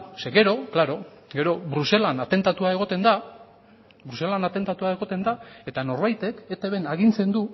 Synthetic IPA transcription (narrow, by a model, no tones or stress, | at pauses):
seɡe̞ɾo̞klaɾo̞ɡe̞ɾo̞βɾuse̞lanat̪e̞nt̪at̪uae̞ɣ̞o̞t̪e̞nd̪a | bɾuse̞lanat̪e̞nt̪at̪uae̞ɣ̞o̞t̪e̞nd̪ae̞t̪ano̞ɾβajt̪e̞ket̪eβe̞naɣ̞int͡se̞nd̪u